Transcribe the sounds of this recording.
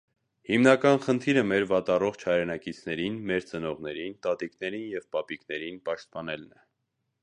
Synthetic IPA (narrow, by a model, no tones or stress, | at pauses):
himnɑkɑnχənt̪ʰiɾəmɛɾvɑt̪ɑrɔχt͡ʃʰhɑjɾɛnɑkit͡sʰnɛɾinmɛɾt͡sənɔʁnɛɾint̪ɑt̪iknɛɾinjɛvpɑpiknɛɾinpɑʃt̪̚pɑnɛlnɛ